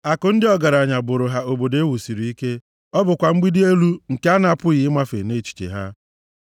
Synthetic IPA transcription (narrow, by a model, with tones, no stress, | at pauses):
a˨kʊ˨n̩˦dɪ˦ɔ˦ɡa˨ɾa˨ɲa˨bʊ˨ɾʊ˨ɦa˦o˨bo˨de˦wu˨si˨ɾi˨i˦ke˦ | ɔ˦bʊ˨kʷa˨ŋ͡m̩˦ɡ͡bi˦di˦e˦lu˦ŋ̩˨ke˦a˦na˨a˦pʊ˦ɣɪ˨ɪ˦ma˦fḛ˨ne˦˨t͡ʃi̥˨t͡ʃḛ˨ɦa˦